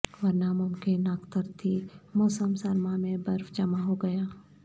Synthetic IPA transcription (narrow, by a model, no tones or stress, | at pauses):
ʋɐɾnamʊmkɪnəkt̪əɾt̪ʰimoːsəmsɐɾmamẽbɐɾfd͡ʒɐmaɦoɡɐjaː